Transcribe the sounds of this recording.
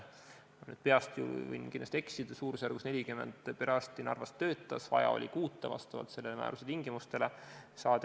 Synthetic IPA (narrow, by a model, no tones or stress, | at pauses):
ny̰d̪̥pe̞ɑst̪jṵvḭjnkinːɑst̪e̞ksid̪̥suːɾusjærɡ̥usne̞lʲikymḛnd̪̥peɾɑst̪inɑrvɑst̪ːø̞ːt̪ːˑɑsvɑ̰jɑ̰o̰lʲikuːt̪ːˑɑvɑ̰st̪ɑvɑ̰t̪selːemæ̰ːɾuset̪iŋɡ̥imust̪e̞lesɑːd̪